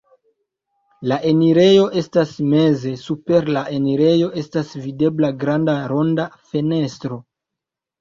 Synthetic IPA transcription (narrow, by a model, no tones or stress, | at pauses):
laʔe̞niɾe̞jo̞ʔe̞stasme̞ze̞supe̞ɾlaʔe̞niɾe̞jo̞ʔe̞stasvide̞blaɡɾandaɾo̞ndafe̞ne̞stɾo̞